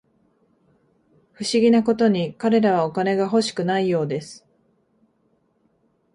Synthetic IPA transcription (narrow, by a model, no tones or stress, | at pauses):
ɸɯ̟ɕiɡʲinako̞t̪o̞ɲ̟ikaɾe̞ɾaβ̞ao̞kane̞ɡaɦo̞ɕi̥kɯ̟naijo̞ːd̪e̞sɨ̥